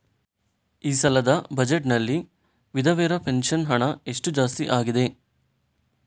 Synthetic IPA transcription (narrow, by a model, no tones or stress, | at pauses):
iːsɐlɐd̪ɐbɐd͡ʒeʈnɐlːi | ʋid̪ʱɐʋɛːɾɐpe̞nʂɐnɦɐɳɐe̞ʂʈud͡ʒaːst̪iʔaːɡid̪e̞